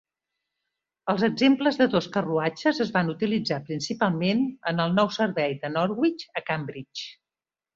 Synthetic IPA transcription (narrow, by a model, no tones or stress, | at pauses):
əlˠzəɡzempləzðəðoskəruad͡ʒəzəzβanut̪ilid͡zapɾinsipalˠmenənəlˠnɔwsəɾβɛjðənɔɾɣwit͡ʃəkambɾit͡ʃ